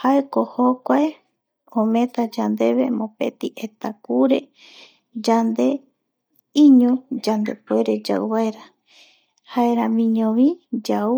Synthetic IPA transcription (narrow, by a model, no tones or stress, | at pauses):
haekohokʷae | õmẽ̞t̪ad͡ʒand̪e̞βe̞mõpe̞̰t̪iʔet̪akuɾe̞ | d͡ʒand̪e̞ | ĩɲõd͡ʒand̪e̞̰pueɾed͡ʒa̰wβaeɾa | haeɾãmĩɲõβĩd͡ʒau